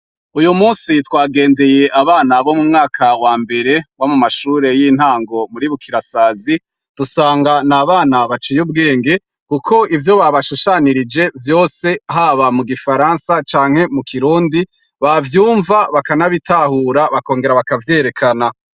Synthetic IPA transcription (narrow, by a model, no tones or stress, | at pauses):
ujumuːnsitwaːɡe̞ːnde̞je̞ʔaβaːnaβo̞mumŋaːkʰawaːmbe̞ɾe̞wamumaʃuːɾe̞jin̥haːŋɡo̞muɾiβukʰiɾasaːzi | d̥usaːŋɡanaβaːnaβat͡ʃijub̚ɡe̞ːŋɡe̞ | kukʰo̞ivjo̞βaβaʃuʃaniɾid͡ʒe̞vjo̞ːse̞ɦaβamuɡifaɾansat͡ʃaːŋ̥he̞mukʰiɾuːndi | βavjuːɱvaβakanaβitʰahuːɾaβako̞ːŋɡe̞ɾaβakavje̞ɾe̞kʰana